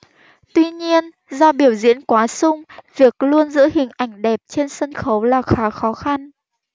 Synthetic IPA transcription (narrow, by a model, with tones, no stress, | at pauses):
t̪wi˧ɲi˧ən | zɔ˧ɓi˧˩əwzḭ˧˥ənkwaː˨˦sʊ˧ŋ͡mvi˨˩ək̚lu˧ənzɨ̰˧˥hï˨˩ŋ̟ʔa̰˧˩jŋ̟ɗɛ˨˩p̚t͡ɕe˧nsə˧nxə˨˦wlaː˨˩xaː˨˦xɔ˨˦xa˧n